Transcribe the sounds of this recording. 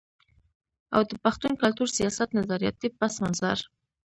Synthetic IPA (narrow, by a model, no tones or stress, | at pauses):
a̰wd̪əpaxt̪unkalt̪uɾsijɑsat̪nazɑɾjɑ̰t̪ipasmanza̰ɾ